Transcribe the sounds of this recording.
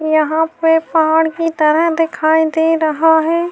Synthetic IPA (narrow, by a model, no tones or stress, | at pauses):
jɐɦãpepɐɦaːɽ̃kit̪ɐɾəɦd̪ɪkʰaːid̪eːɾɐɦaɦɛː